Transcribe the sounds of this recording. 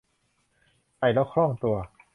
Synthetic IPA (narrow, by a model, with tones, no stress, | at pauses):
ʔa˧˩jlɛː˦˥˩wkʰlɔ˥˩ŋt̪u˧ɐ